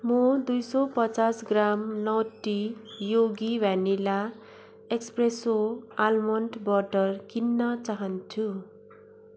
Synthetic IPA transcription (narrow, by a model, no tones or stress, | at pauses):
mʌd̪ujsʌpʌt͡sasɡramnʌwʈijoɡiwjanila | ekspresoalmʌnʈbʌʈʌrkinːʌt͡saɦʌnt͡sʰu